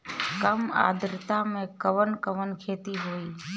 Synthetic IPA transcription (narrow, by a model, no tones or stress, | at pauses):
kəma̰ːd̪ɾɪt̪amẽkəʋənkəʋənkʰeːt̪iɦoːiː